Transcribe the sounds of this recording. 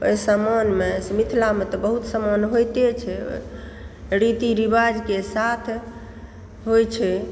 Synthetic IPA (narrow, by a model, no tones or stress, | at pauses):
o̰jsəmɔnmesmit̪ʰilamet̪ɔbəɦut̪səmɔnɦojt̪et͡ʃʰɛo̰ | ɾit̪iɾibad͡ʒkesat̪ʰ | ɦojt͡ʃʰɛ